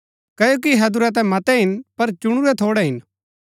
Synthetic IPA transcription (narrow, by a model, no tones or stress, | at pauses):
kɐːjoːk̬iɦɐd̪ʊɾɛt̪̬ɛ̃mɐt̪ɛɦɪnpɐɾt͡ʃʊɽ̃uɾɛt̪ʰoːɽɛɦɪn